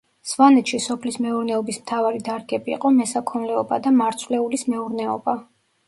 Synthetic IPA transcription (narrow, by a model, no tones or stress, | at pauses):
svanɛt̪ʃisɔpʰlismɛuɾnɛɔbismt̪ʰavaɾid̪aɾɡɛbḭːqʼɔmɛsakʰɔnlɛɔba̰d̪amaɾt̪sʰvlɛulismɛuɾnɛɔ̰ba